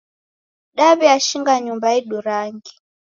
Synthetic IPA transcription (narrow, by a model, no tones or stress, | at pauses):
ɗaβiaʃiŋɡaɲumbaiɗuɾaŋɡi